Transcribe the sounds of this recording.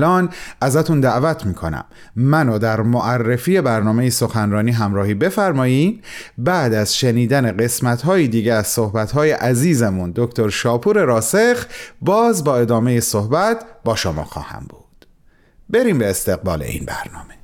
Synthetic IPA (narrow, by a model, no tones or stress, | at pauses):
lɒːnæzæt̪ʰund̪æʔvæt̪ʰmiːkʰo̞næ̰mː | ænod̪æɾmoʔærːefiːje̞bæɾnɒːme̞jesoxænɾɒːniːɦæmɾɒːhiːbe̞fæɾmɒːjimbæːd̪æzʃeniːd̪æne̞ɢe̞smæt̪ɦɒːjid̪iːɟeæz̥so̞hbæt̪hɒːje̞ʔæziːzemund̪o̞kʰt̪ʰo̞ɾʃɒːpʰuːɾe̞ɾɒːse̞xbɒːzbɒːe̞d̪ɒːme̞jesohbæt̪ʰbɒːʃomɒ̰ːxɒ̰ːhæ̰mb̥ud̪̥ | be̞ɾiːmbeːst̪e̞ɣbɒ̰ːle̞̰ḭːnbæ̰ɾnɒ̰ːme